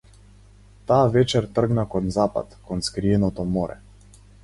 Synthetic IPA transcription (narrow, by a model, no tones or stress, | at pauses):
t̪aːvɛt͡ʃɛɾt̪r̩ɡnakɔnzapa̰t̪kɔnskɾiɛnɔt̪ɔmɔɾɛ̰